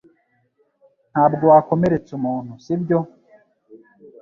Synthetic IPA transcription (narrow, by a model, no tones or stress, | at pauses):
n̥haːbɡowako̞me̞ɾe̞t͡sumuːn̥husibɟo̞